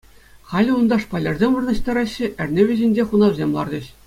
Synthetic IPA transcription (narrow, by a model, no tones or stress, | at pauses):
χɑlʲund̪ɑʂpɑlʲɑ̆rzʲemʲʋɤrnɑ̆ɕt̪ɑɾɑɕːɘ̆ʔɘ̆rʲnʲeʋʲɘ̆ʑĕnʲd͡ʑʲeχunɑʋʲzʲemlˠɑ̰rd͡ʑɤ̆ɕ